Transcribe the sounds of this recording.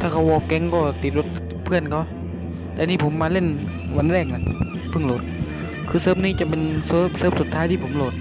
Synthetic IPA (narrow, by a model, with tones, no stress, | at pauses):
t̪ʰaː˧˩kʰa˧˩wʔɔː˧˩kɛ˧˥ŋkɔː˧˩t̪i˨˧t̪̚lo˧˦t̪̚ | pʰɯ˧˩ənkʰa˧˩w | lɛː˧˨niː˧˩pʰo˨˦mːaː˧˥le˧˩˨n | wa˧˥˨nlɛː˧˩ŋla˧k̚ | pʰɯ˧˩ŋloː˧˦t̪̚ | kʰɯː˧sɤː˧˨p̚niː˧˩˨t͡ɕa˧˨pe˧˨nsɤː˧˩p̚sɤː˧˩psu˨˧˦t̪ʰːaː˧˥jt̪ʰiː˧˩pʰo˧˦mloː˧˩t̪̚